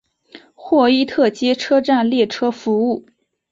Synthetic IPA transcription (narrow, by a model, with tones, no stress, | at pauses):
xwɔ˥˧i˥˧t̪ʰɤ˥˩t͡ɕjɛ˥ʈ͡ʂʰɤ˥ʈ͡ʂa˥˧nljɛ˥˩ʈ͡ʂʰɤ˥fu˧˥u˥˩